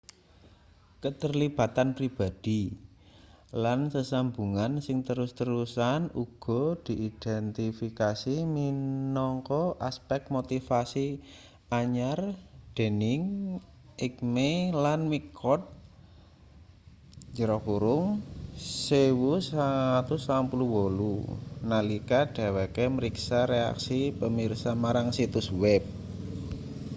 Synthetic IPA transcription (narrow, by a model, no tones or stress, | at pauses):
kət̪ərlib̥a̤t̪anpɾib̥a̤d̪̥i̤ | lansəsambuŋansɪŋt̪əɾʊst̪əɾusanuɡ̥ɔ̤d̪̥i̤ʔid̪̥ɛnt̪ifikasiminɔŋkɔʔaspɛk̚t̪̚mot̪ifasi | ʔaɲard̪̥e̤nɪŋ | ɪk̚melanmikʰɔt̪̚ | d͡ʒəɾɔkuɾʊŋ | sewusaŋat̪ʊsampuluwolunalikaɖ̪̥a̤wɛkeməɾiksaɾea̰ksipəmirsamaɾaŋsit̪uswɛp̚